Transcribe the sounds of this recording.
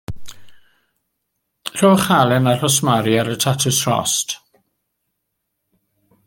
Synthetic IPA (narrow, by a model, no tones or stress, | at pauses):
r̥oːχalˠɛnar̥ɔsmaɾiaɾətʰatʰʊsrɔ̰st